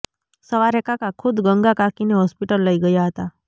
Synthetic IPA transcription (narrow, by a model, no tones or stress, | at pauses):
səʋaɾekakakʰʊd̪ɡəŋɡakakineɦɔspiʈəlːəiɡəjaɦət̪a